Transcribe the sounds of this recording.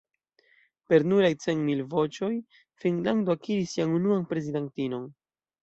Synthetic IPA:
pe̞ɾnuɾajt͡se̞nmilvo̞t͡ʃo̞j | fiŋɡland̪oakiɾisːianunuanpɾe̞zidentino̞n

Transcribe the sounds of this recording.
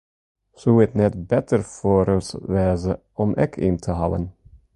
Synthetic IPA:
suɛt̪nɛt̪bɛt̪ʰəɾfoɾøsʋɛːzə | ɔmʔɛ̰kʰɪnt̪ʰəɦɑwə̰n

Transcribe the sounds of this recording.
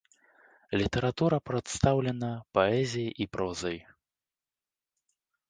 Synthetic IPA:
lʲit̪ɛɾat̪uɾɐpɾat̪st̪awlʲɛnɐpaɛzʲijɐʔipɾɔzɐj

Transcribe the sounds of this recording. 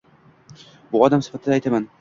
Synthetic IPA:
bʊɒd̪amsɪ̥fat̪ʰɪd̪ajt̪ʰaman

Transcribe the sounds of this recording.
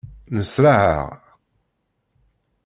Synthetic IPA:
ləsɾaʕa̰ʁ

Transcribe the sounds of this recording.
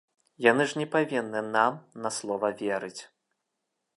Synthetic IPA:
janɨʐnʲɛpavʲinːɨnamnɐslˠɔvɐvʲɛɾɨt͡sʲ

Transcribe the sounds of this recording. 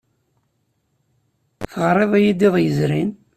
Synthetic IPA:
θəʁɾˤeðˤæjid̪iðˤjəzɾin

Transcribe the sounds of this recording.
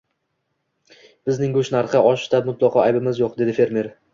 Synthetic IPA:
b̥ɪznɪŋɡʊʃnaɾχɨʔɒʃt̪amʊt̪ʰlˠɑqʰɒajbɪmɪzjoq̚d̪e̞d̪ɪfe̞ɾme̞ɾ

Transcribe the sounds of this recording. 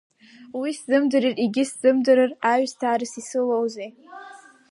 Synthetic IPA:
wiszɨmdɨɾiriɡʲɪsdɨmdɨɾɨraɥstʰaːɾɨsisɨlowzej

